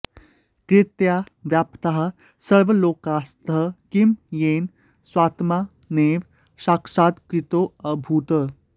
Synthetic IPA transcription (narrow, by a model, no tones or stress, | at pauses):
kɾɪt̪ja | ʋjaːpt̪aɦ | səɭʋəloːkaːst̪əkimjeːn | sʋaːt̪ma | neːʋ | ʃaːkʂaːd̪kɾit̪oːɐbʱuːt̪ə